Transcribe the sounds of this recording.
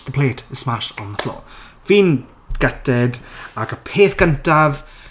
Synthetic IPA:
ðəpʰl̥eːtʰəsmaʃɔnəθlo̰ː | viːn | ɡ̥ɛtɛdaɡəpʰeːθɡ̥əntav

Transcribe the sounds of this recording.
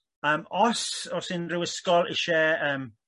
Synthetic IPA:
əmɔsɔsɪnɾuəskɔlʔɪʃɛːəːm

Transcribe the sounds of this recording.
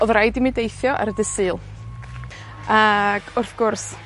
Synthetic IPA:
ɔðrajdimidejθjɔʔa̰ɾədəsɨːlˠ | aɡ̥ʊrθɡ̥ʊrs

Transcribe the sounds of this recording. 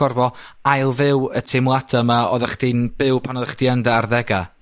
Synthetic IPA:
ɔrvɔajlˠvɪwətʰemlˠadamaɔ̰ðaχd̥inb̥ɪwpʰanɔðaχd̥iəndaarðɛɡa

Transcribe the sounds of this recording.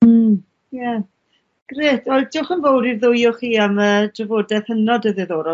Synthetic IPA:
jɛ | ɡ̥reːtʰolˠdɪwχənvowdivðʊjʊχiːaməːd̥rəvoːdɛðhənɔdəðɨðoːɾɔ

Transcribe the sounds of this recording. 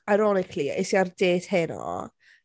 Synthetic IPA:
ajɾɔnɪkʰliḛsiardeːd̥hɪnɔ̰

